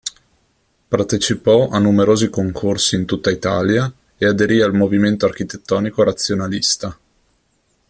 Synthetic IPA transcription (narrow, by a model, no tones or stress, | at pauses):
part̪et͡ʃipɔʔanːumeɾoːzikoŋkʰorsiːnt̪ut̪ːait̪a̰ːlja | ead̪eɾialmoviment̪oark̟it̪et̪ːɔːnikoɾat̪sːjonalist̪a